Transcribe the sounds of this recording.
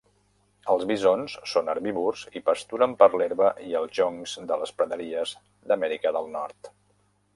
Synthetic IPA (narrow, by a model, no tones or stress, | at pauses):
əlˠzβizonsːonəɾβiβurzipəst̪uɾəmpəɾleɾβəʔiəlˠʒɔŋz̥d̪ələspɾəðəɾiəz | d̪əmɛɾikəðəlˠnɔɾt̪